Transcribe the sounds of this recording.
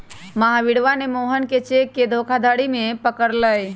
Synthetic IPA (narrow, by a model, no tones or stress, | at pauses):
məɦaʋɪɽʋanemoːɦənket͡ʃekːed̪ʱoːkʰad̪ʱaːɽimẽpəkəɾləj